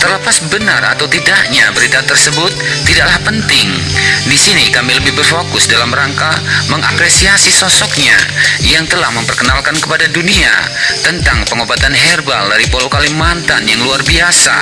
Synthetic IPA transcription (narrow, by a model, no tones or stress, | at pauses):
t̪ərləpasbənara̰t̪awt̪idaʔɲabəɾit̪at̪ərsəbʊt̪̚ːidaʔlahpənt̪ɪŋ | disinikamiləbɪhbərfokʊsdalamɾaŋkaməŋa̰pɾesiasisɔsɔk̚ɲa̰jaŋt̪əlahməmpərkənalkankəpadadunia̰ | t̪ənt̪aŋpəŋobat̪anɦɛrbaldaɾipolokalimant̪anjaŋluarbiasa̰